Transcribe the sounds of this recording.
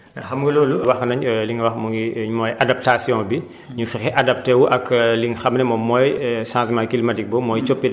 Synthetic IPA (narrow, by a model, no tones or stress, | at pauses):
ɐxɐmɡɐloːluwɐxnɐɲliŋɡwɐxmuŋɡiɲmɔjʔadap̚tasjɔ̃bi | ɲufixɛʔɐdɐp̚tewuʔɐkliŋxɐmnɛmɔmɔːjsãːsmakilimatik̚bɔmɔːjt͡ʃopːi